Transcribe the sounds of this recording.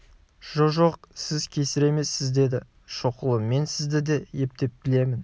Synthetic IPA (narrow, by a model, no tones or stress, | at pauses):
ʒ̥oʒoq̚sɪzkʲʰe̞sɪɾe̞me̞sːɪzd̪e̞d̪ɪ | ʃoqəlˠəmmːe̞nsɪzd̪ɪd̪eje̞p̚t̪e̞p̚bɪle̞mɪn